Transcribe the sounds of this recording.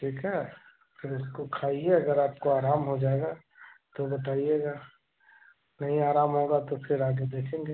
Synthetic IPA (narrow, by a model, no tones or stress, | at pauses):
ʈʰiːkʰɦɛː | pʰɪɾʊskokʰaːieɐɡəɾaːp̚koaːɾaːmɦod͡ʒaːeɡa | t̪obɐt̪̬aːijeːɡa | nɐɦĩaːɾaːmɦoːɡat̪opʰɪɾaːɡed̪eːkʰẽːŋɡeː